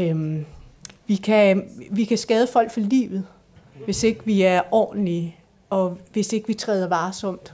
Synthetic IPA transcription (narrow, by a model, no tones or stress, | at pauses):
ʋikʰæʋikʰæsɡ̥ɛːð̞ˠəfɒ̽l̰ɡ̥fɒlḭːʋð̞̩ˠ | ʋe̝se̝ɡ̥əʋiæɐʔɒ̰ːd̥n̩li | ɒ̽ʋe̝se̝ɡ̥ʋit͡sʰʁɛːð̞ˠɐʋɑ̈ːsɒ̽m̰d̥